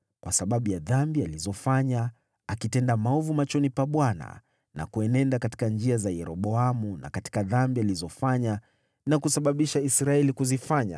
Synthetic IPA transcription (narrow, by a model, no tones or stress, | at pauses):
kwasaɓaɓujaðambializɔfaɲa | akitɛndamaɔvumat͡ʃɔnipaɓwana̰ | na̰kuɛnɛndakati̥kand͡ʒiazajɛɾɔɓɔamuna̰kati̥kaðambializɔfaɲa | nakusaɓaɓiʃaisɾaɛlikuzifaɲa̰